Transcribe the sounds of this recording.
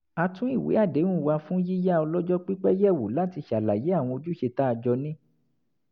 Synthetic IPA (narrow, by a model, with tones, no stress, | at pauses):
a˧tũ˦i˦˨wḛ˨˦a˦˨dẽ˨˦ũ˦˨wa˧fũ˦ji˦ja˦ɔ˧lɔ˦d͡ʒɔ˦k͡pi˦k͡pɛ˦jɛ˦˨wu˨la˨˦ti˧ʃa˨la˨je˨˦a˦˨w̃ɔ̃˧o˧d͡ʒu˦ʃe˧ta˦˧d͡ʒɔ˧nĩ˦